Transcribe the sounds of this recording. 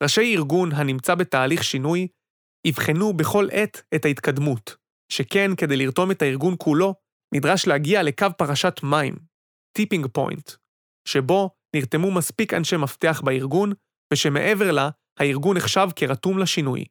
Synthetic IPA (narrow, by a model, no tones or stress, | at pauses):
ʁaʃejiʁɡunɦanimt͡sabe̞taːliχʃinuj | ivχenube̞χo̞lʔe̞t̪ethait̪kadmut | ʃeke̞nke̞d̪e̞jliʁto̞me̞thaiʁɡunkʰulo̞ | nʔidʁaʃleaɡiale̞kavpaʁaʃatmaḭm | tipiŋɡpo̞̰jnt | ʃe̞bo̞ | niʁt̪e̞mumaspika̰nʃemafteaχbaiʁɡun | v̥eʃe̞me̞̰ʔe̞ve̞ʁla | haiʁɡuneχʃavkeʁatumlaʃinṵj